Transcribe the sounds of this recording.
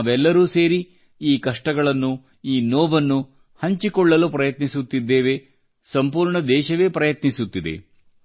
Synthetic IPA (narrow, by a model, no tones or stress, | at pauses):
aːʋɛlːɐɾuːseːɾi | iːkɐʂʈɐɡɐɭɐnːu | iːnoːʋɐnːu | hɐɲt͡ʃikɔɭːɐlupɾɐjɐt̪nisut̪ːid̪ːeːʋe̞ | sɐmpuːɾɳɐd̪ɛːʃɐʋe̞ːpɾɐjɐt̪nisut̪ːid̪e̞̰